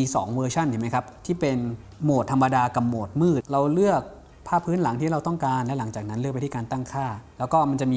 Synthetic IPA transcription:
iː˧sɔ̰ː˩˦ŋwɤː˧t͡ɕʰa˥˩nt̪ʰɯː˩˦ma˦˥jkʰa˦˥p̚t̪ʰiː˥˩pe˧n | moː˨˩t̪ʰːa˧ma˧daː˧ka˨˩p̚moː˨˩t̪̚mɯː˥˩t̪̚ɾa˧wlɯ˥˩ək̚ | pʰaː˥˩pʰːɯː˦˥nla˩˦ŋt̪ʰiː˥˩ɾa˧wt̪ɔ˥˩ŋkaː˧nlɛ˦˥la˩˦ŋt͡ɕaː˨˩k̚na˦˥nlk̚pjt̪ʰiː˥˩kaː˧nt̪a˥˩ŋkʰaː˥˩lɛː˦˥wkɔː˥˩ma˧nt͡ɕa˨˩ʔmiː˧

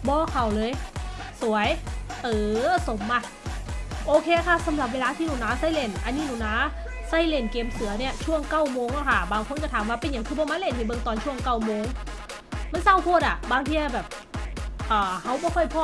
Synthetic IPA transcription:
bɔː˧˦kʰa˨˩wlɤː˧jsu˩˦əjʔɤː˨˦so˨˦mːa˧˩t̪̚ | ʔoː˧kʰeː˧kʰa˥˩sa˨˦mla˨˩p̚weː˧laː˧t̪ʰiː˧˩nuː˧˩naː˧˥sa˧˥˩jle˧˩nʔa˧nːiː˧˩nuː˧˩˨naː˧˥ | sa˥˩jle˧˩nkeː˧msɯ˨˩˦ɐni˧˥˩ɐt͡ɕʰu˥˩əŋka˧˥˩wmoː˧ŋna˧˩kʰa˧˩baː˨˧ŋkʰo˧˥˨nt͡ɕa˧˩t̪ʰaː˨˦mwaː˧˩pe˧nja˨˩˦ŋkʰɯː˧˩bɔː˧maː˧˥le˧˥˩nha˧˩jbɤː˧ŋt̪ɔː˧˨nt͡ɕʰu˥˩əŋka˧˩wmoː˧ŋ | ma˧˥˨nsa˧˥˩wpʰu˧˩˨t̪̚ʔa˧˩baː˧ŋt̪ʰiː˧a˧˩bɛː˨˩p̚ | ʔɤː˨˩ha˧˥˩wbɔː˧˩kʰɔ˧˥˩jpʰɔː˧˩

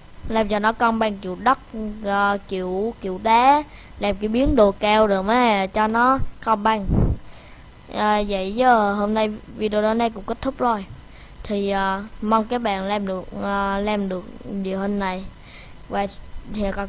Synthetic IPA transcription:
laː˧mt͡ɕɔ˧nɔ˨˦kɔ˧nɓa˧ŋkḭ˧˨wɗə˦˥t̚ː | kḭ˧˨əwkḭ˧˨wɗaː˨˦ | laː˨˩mkḭ˨˧˩əwɓi˨˦ənɗo˨˩kkaː˧wɗɨ˨˩əmʔaː˨˦t͡ɕɔ˧nɔ˨˦kɔ˧nɓa˧ŋ | ʔaː˨˩zə̰˧˨jzə˨˧ɦo˧mna˧jvi˧ɗe˧ɗo˨˦na˧jkʊ̰˧˥ŋ͡mkə˦˥t̚t̪ʰʊ˦˥p̚k͡p̚zo˧˩j | t̪ʰi˨˩ʔaː˨˩ma˧wŋ͡mkaː˨˦jɓa̰ː˧˨nlaː˧mɗɨ˨˩ək̚ʔəː˨˩laː˧mɗɨ˨˩ək̚ɲi˨˩əwhə˧nna˨˩j | vaː˨˩t̪ʰi˨k

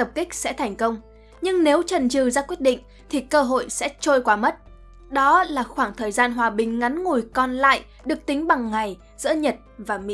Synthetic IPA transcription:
t̪ə˨˩p̚kï˦˥k̟̚sɛ̰˧˥t̪ʰɛ˨˩jŋ̟kə˧wŋ͡m | ɲɨ˧ŋne˨˦wt͡ɕə˨˩nt͡ɕɨ˨˩zaː˧kwət̚ɗḭ̈˧˨ŋ̟ | t̪ʰi˨˩kəː˧ɦo̰˧˨jsɛ̰˧˥t͡ɕo˧jkwaː˨˦mə˦˥t̚ | ɗɔ˨˦laː˨˩xwaː˧˩ŋt̪ʰəː˨˩jzaː˧nɦwaː˨˩ɓï˨˩ŋ̟ŋa˨˦nŋu˨˩jkɔ˧˩nla̰ː˧˨j | ɗɨ˨˩ək̚t̪ï˨˦ŋ̟ɓa˨˩ŋːa˨˩j | z̥ɨ̰˧˥əɲə˨˩t̚vaː˨˩mḭ˧˦˥

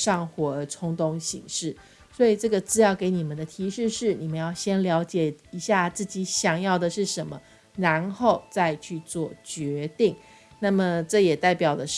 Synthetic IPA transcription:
ʂɑ˥˩ŋxwɔ˨˩ə˧˥ʈ͡ʂʰʊ˥ŋt̪ʊ˧˥ŋɕḭ˧˩ŋʂɻ̩˥˩ | swɔ˧˥i˨˩ʈ͡ʂɤ˥˩ɡə˩t͡sɹ̩˥jɑ˥˩ʊke˧˥ɪni˨˩mə˨˦nd̪ə˧t̪ʰi˧˥ʂɻ̩˥˧ʂɻ̩˥˩ni˨˩mə˦njɑ˥˩ʊɕjɛ˥nljɑ˧˥ʊt͡ɕjɛ˨˩i˧˥ɕja˥˧t͡sɹ̩˥˩t͡ɕi˧˥ɕjɑ˨˩ŋjɑ˥˩ʊd̪ə˩ʂɻ̩˥˩ʂə˧˥nmə˧ | ɻa˧˥nxo˥˧ʊt͡sa˥˧ɪt͡ɕʰy˥˧t͡swɔ˥˩t͡ɕɥɛ˧˥t̪i˥˩ŋ | na˥˩mə˩ʈ͡ʂɤ˥˩jɛ˨˩t̪a˥˩ɪpjɑ˨˩ʊd̪ə˦ʂ

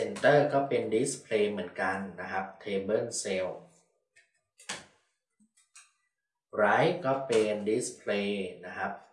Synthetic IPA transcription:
e˧nt̪ɤː˥˩kɔː˥˩pe˧ndi˦˥spʰleː˧mɯ˩˦ənka˧nːa˦˥kʰɾa˦˥p̚t̪ʰeː˧bɤ˥˩nse˧w | ɾaː˦˥jkɔː˥˩pe˧ndi˦˥spʰleː˧na˦˥kʰɾa˦˥p̚

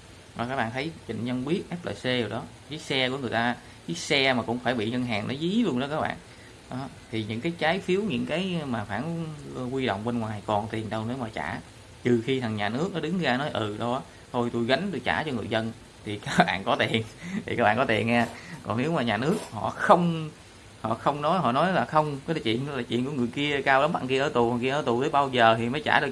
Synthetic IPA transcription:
ɔ˨˩kaː˦˥k̚ɓa̰ː˧˨nt̪ʰə˨˦jt͡ɕḭ˧˨ŋ̟ɲə˧nɓi˦˥ət̚ʔɛ˦˥p̚lə̰ː˧˨˩jse˧ɗi˨˩wɗɔ˨˦ | ka˨˦jsɛ˧ku˧˩əŋɨ˨˩əjt̪aː˧˦ | ka˨˦jsɛ˧maː˨˩kʊ̰˧˥ŋ͡mfaː˧˩jɓḭ˧˨ɲə˧nɦaː˨˩ŋnɔ˨˦zi˧˦i˨˦lu˧ənɗɔ˨˦kaː˦˥k̚ɓa̰ː˧˨n | ɗɔ˨˦ | t̪ʰi˨˩ɲɨ̰˧˥ŋkaː˨˦jt͡ɕaː˨˦jfi˨˦əwɲɨ̰˧˥ŋkaː˨˦jmaː˨˩faː˧˩nkwi˧ɗo̰˧˨wŋ͡mɓe˧nŋwaː˨˩jkɔ˨˩nt̪i˨˩ənɗə˧wne˨˦wmaː˨˩t͡ɕa̰ː˧˩ | t͡ɕ̪ɨ˨˩xi˧t̪ʰa˨˩ŋɲaː˨˩nɨ˦˥ək̚nɔ˨˦ɗɨ˨˦ŋzaː˧nɔ˨˦jʔɨ˨˩ɗo˧wʔaː˨˦ | t̪ʰo˧jt̪u˧jɣa˨˦jŋ̟t̪u˧jt͡ɕaː˧˩t͡ɕɔ˧ŋɨ˨˩əjzə˧n | t̪ʰi˨˩kaː˨˦˥k̚ɓa̰ː˧˨nkɔ˨˦t̪i˨˩ənt̪ʰi˨˩kaː˦˥ɓaː˧˨kɔ˨˦t̪ḭ˨˩ənʔaː˧kɔ˨˩ne˨˦wmaː˨˩ɲaː˨˩nɨ˦˥ək̚hɔ̰˧˨xə˧wŋ͡m | hɔ̰˧˨xə˧wŋ͡mnɔ˨˦jɦɔ̰˧˨nɔ˨˦jlaː˨˩xə˧wŋ͡mkɔ˨˦a˨˦t͡ɕwḭ˧˨ən˧˦laː˨˩t͡ɕwḭ˧˨nku˧˩ŋɨ˨˩əjki˧əkaː˧wla˨˦mɓa̰ː˧˨nki˧ʔəː˧˩t̪u˨˩kɔ˨˩ki˧ʔəː˧˩t̪u˨˩t̪ə˨˦jɓaː˧wzəː˨˩t̪ʰi˨˩məː˨˦jt͡ɕaː˧˩ɗɨ˨˩ə

